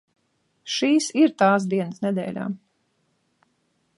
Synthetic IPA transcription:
ʃiːsiɾt̪aːs̬d̪iɛnəsnɛd̪ɛ̰ːlʲa̰ː

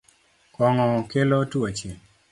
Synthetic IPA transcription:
kɔŋɔkelotuat͡ʃel

